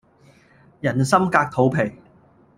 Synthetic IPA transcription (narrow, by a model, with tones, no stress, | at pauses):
jɐ˨˩nsɐ˥mkaː˧k̚t̪ʰo˨˥wpʰe˨˩j